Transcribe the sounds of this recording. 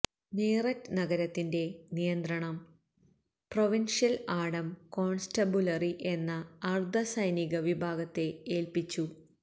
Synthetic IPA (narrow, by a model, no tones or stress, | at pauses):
neːrɐtːɨnɐɣɐɾɐt̪ːinde̞nijɐnd̪ɾɐɳɐm | proʋinʂjɐlaːɽɐmko̞ːɳstɐbulɐriʔe̞nːɐːrd̪ʱɐsɐjniɣɐʋibʱaːɡɐt̪ːe̞eːlpit͡ɕːu